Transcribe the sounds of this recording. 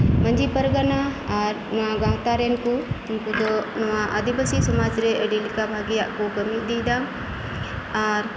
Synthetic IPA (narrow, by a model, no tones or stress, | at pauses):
məɲd͡ʒipəɾɡanaːɾnɔwaɡãɦt̪aɾɛnkuinkud̪ɔnɔwaʔəd̪ibəsisɔmad͡ʒɾɛʔəɖilikabʱaɡijaʔkuɡəmit̚d̪id̪am | aɾ